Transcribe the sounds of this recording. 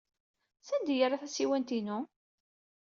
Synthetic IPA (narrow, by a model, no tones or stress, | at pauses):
sænd̪jəɾaθæsiwænt̪inʊ